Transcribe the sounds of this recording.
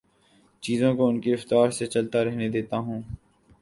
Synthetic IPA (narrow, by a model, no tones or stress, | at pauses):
t͡ʃiːzõkoʊnkiɾɐft̪aːɾset͡ʃɐlt̪aɾɛɦned̪eːt̪aɦũː